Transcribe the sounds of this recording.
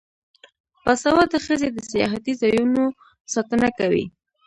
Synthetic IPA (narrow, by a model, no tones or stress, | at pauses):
pasawad̪əxəzed̪əsijɑ̰ɦat̪izɑjuno | sɑt̪ənakawḭ